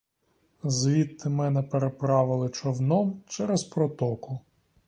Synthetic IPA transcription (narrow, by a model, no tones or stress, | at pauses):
zʋʲit̪ːɪmɛnɛpeɾepɾɑʋɪlˠɪt͡ʃɔwnɔmt͡ʃɛɾɛzpɾɔt̪ɔkʊ